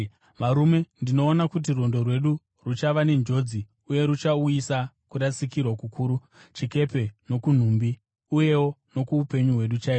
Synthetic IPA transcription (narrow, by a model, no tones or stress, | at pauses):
ʋaɾume̞ndino̞ːnakut̬iro̞ndo̞rwe̞ɗu | rut͡ʃaʋane̞nd͡ʒo̞d͡zi | uje̞ɾut͡ʃauisa | kuɾasikirwakukʰuːɾu | t͡ʃike̞pe̞no̞kun̤umbi | uje̞wo̞no̞kuupe̞ɲuɦwe̞ɗut͡ʃaiːo